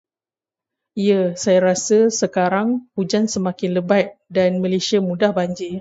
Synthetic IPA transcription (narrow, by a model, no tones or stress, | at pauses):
iəsajaɾasəsəkaɾaŋhud͡ʒansəmãkɪnləbat̪̚danmə̃lesiamũdahbaɲd͡ʒi